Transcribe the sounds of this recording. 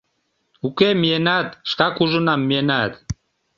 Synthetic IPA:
ukʼɛmiɛnad̪ʃkakʰuʒunamːiɛnad̪

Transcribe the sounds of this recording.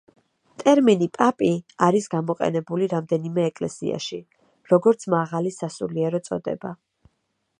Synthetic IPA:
t̪ʼɛɾminipʼapʼiaɾisɡamɔqʼɛ̰nɛbuliɾamd̪ɛnimɛːkʼlɛ̰sḭa̰ʃi | ɾɔɡɔɾt̪sʰmaʁalisasṵliɛɾɔt̪sʼɔ̰d̪ɛ̰ba

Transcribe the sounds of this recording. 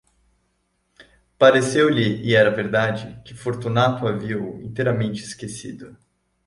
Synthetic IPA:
paɾesewlɪːɛɾɐveɾd̪ad͡ʒɪkɪfoɾt̪unat̪ʊaviɐʊḭ̃nt̪ejɾɐmẽnt͡ʃɪskesid̪ʊ

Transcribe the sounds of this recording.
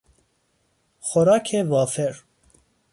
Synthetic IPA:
xoɾɑːkʰevɑːfeɾ

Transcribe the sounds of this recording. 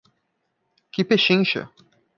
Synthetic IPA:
kɪpeʃĩŋʃɐ̰

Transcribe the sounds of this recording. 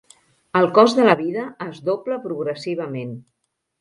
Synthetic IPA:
əlˠkɔzðələβiðəːzdopləpɾuɣɾəsiβ̞əmen

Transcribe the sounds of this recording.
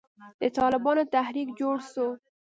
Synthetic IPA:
d̪̥ət̪ɑlɪbɑnot̪ahɾikd͡ʒoɽso

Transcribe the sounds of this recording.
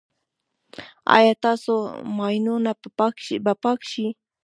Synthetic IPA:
a̰jat̪asomajnʊnaaʃpapakʃɪ

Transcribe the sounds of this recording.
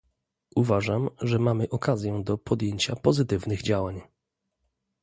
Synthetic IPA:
ʔuvaʐamʐɛmamɘʔɔkazʲjɛd̪ɔpʰɔd̪ʲjeɲt͡ɕapɔzɘt̪ɘvnɘɣd͡ʑawaɲ

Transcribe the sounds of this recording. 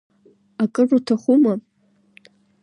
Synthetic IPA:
akʼɨrutʰaχʷuma

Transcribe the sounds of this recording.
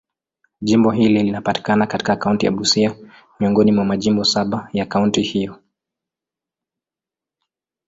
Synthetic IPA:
ʄimbɔɦililinapati̥kanakati̥kakauntija̰ɓusia | miɔŋɡɔnimwamaʄimbɔsaɓajakauntihijɔ

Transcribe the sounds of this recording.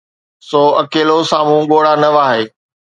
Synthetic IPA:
soːɐkeːlosaːmũɠoːɽanɐʋaːɦeː

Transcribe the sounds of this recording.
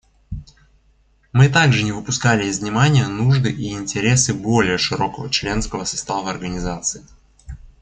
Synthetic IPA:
mɨt̪aɡʐɨnʲɪvɨpʊskalʲɪɪzvnʲɪmanʲɪjənuʐd̪ɨʔiɪnʲtʲɪɾʲe̞sɨbo̞lʲɪjəʂɨɾo̞kəvət͡ɕlʲe̞nskəvəsɐ̥st̪avəɐrɡənʲɪzat̪sɨɪ

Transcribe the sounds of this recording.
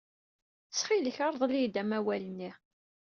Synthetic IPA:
sχiləçɑɾˤðˤlijd̪æmæwælənːi

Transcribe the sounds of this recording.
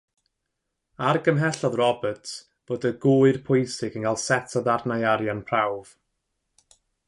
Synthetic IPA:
arɡəmɦɛɬɔðrɔbətʰ | b̥oːdəɡʊːɨrpʰʊjsɪɡənŋɡalˠsɛtʰaðarnajaɾjanpʰrawv̥

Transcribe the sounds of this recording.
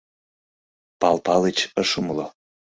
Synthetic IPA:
pɑlpɑlet͡ɕəʃumlo

